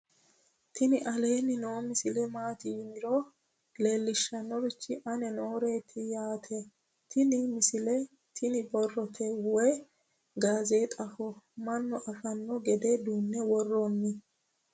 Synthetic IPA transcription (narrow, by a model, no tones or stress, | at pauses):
t̪ʰɪnɪʔɐle̞ːnːɪnoːmɪsɪlɛmaːt̪ɪjɪmɪɾɔ | leːlːɪʃːɐnːɔɾɪt͡ʃːɪʔɐnɛnoːɾe̞ːt̪ʰɪjaːt̪ʰɛ | t̪ʰɪnɪmɪsɪlɛ | t̪ʰɪnɪbɔrːɔt̪ʰɛwɛ | ɡaːzeːt̪ʼɐfɔmɐnːɔʔɐfɐnːɔɡɛd̪ɛd̪uːnːɛwɔrːonːɪ